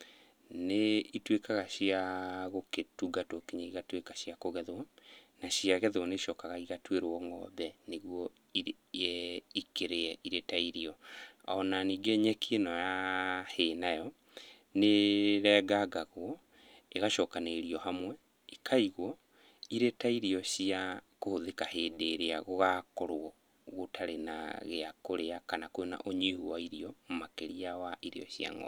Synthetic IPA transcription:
neitwekaɣaɕiaɣoketuɡatokeɲaiɣatwekaɕjakoɣɛðwɔnaɕjaɣɛðwɔneʃɔːkaɣaiɣatweɾwɔŋɡɔ̰bɛneɣwɔ | i | ikeɾeɛʔiɾetaiɾiɔa̰ɔnaniːɡɛɲɛkʰienɔjahenajɔ | neɾɛɡaɡaɣwɔ | eɣaʃɔːkaneɾiɔhamwɛ | ikʰaiɣwɔ | iɾetaiɾiɔɕiakohoðekaheːdeɾeaɣoɣakɔɾwɔ | ɣotʰaɾena̰ɣeakoɾeakanakwena̰ʔoɲihuwaiɾiɔmomakeɾiawaʔiɾḛɔ̰ɕja̰ŋɔ̰

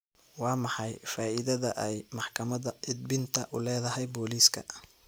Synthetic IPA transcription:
wɑːmɑħɑjfaːʔɪðɐðɐʔɛjmɑħkʰɐmɐðɐʔɪd̪̚bɪnt̪ʰɐʔʊlɛːðɐɦɛjbɔːliːskʰɐ̰

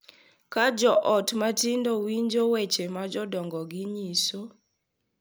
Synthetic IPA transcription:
kad͡ʒɔʔɔtmatɪndowiɲd͡ʒowet͡ʃemad͡ʒɔdɔŋɡɔɡiɲiso

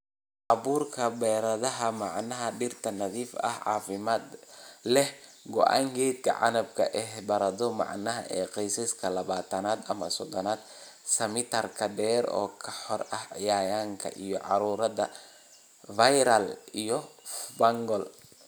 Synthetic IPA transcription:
ʔɐβuːrkʰɐbɛːɾɐðɐɦɐmɑʕnɐɦɐɖɪrt̪ʰɐnɐðiːfɐ̰hʕɑ̰ːfɪmaːd̪lɛh | ɡɔʔa̰ːŋkʰɛːt̪kʰɐ̰ʕɑ̰nɐbkʰɐ̰ʔɛhbɐɾɐðɔmɑ̰ʕnɐɦɐ̰ʔɛːqɛjsɪskʰɐlɐβaːt̪ʰɐnaːd̪ɐmɐ̰sɔd̪ɔnaːd̪ | sɐmɪt̪ʰɐrkʰɐd̪ɛːɾɔ̰ːkʰɐħɔɾɐhʕɪjaːjaːŋkʰɐ̰ʔijɔʕɑ̰ɾuːɾɐðɐ | fajɾɐlijɔbɐŋɡɔl

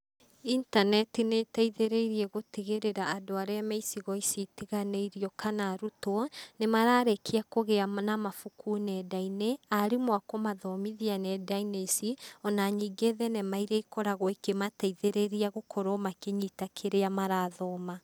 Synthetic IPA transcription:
intanɛtinetaiðeɾeiɾiɛɣotiɣeɾeɾaːdoaɾeameisiɣɔisitiɣaneiɾiɔkʰanaɾutonemaɾaːɾekʰiakoɣeanamafukunɛdaineaɾimwakɔmaðɔmiðianɛdainesiɔnaɲiːɡeðɛnɛmaiɾeikɔɾaɣɔekemataiðeɾeɾiaɣokʰɔɾɔmakeɲitakʰeɾeamaɾaðɔma

